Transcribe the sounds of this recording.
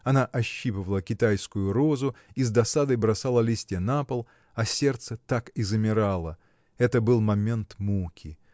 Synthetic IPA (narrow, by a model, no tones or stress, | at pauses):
ɐnaʔɐɕːipɨvəlˠəkʲɪt̪ajskʊjʊɾozʊizd̪ɐsad̪əjbɾɐsalˠəlʲisʲtʲɪjənapəlˠ | ɐsʲe̞rt̪sət̪akɪzɨmʲɪɾalˠə | ɛt̪əbɨlˠmɐmʲe̞nt̪mukʲɪ